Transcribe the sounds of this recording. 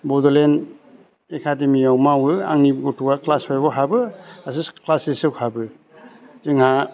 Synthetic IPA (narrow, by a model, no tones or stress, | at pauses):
bɔdɔlen | ekʰademiawmawɯa̰ŋnibɡɔtʰuɡaklaspʰajbɔɦabɯas̬isklasisɯwhabɯ | ziŋa